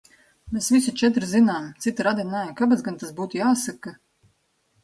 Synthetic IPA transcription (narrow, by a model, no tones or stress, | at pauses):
mesvʲisut͡ʃɛt̪̬ɾzinaːmt̪sit̪ɾad̪inaːjakabat̪zɡant̪asbuːt̪ujaːsaka